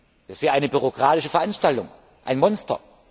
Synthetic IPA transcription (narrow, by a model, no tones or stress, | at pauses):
d̥astviːɐʔaɪnəbyʁ̞okʁ̥aːtɪʃəfɛɐʔanʃtaltʊŋ | ʔa̰ɪnmɔnstɐ̰